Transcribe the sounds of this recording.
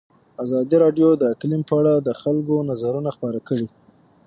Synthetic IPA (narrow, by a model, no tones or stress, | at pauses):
azɑd̪iɾɑɖjod̪əklimpəaɽad̪əxalɡonazaɾunaxpəɾakəɽi